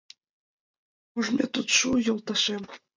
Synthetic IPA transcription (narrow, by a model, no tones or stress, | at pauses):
uʐmʲet̪ut̪ʂujolˠt̪ɑʂem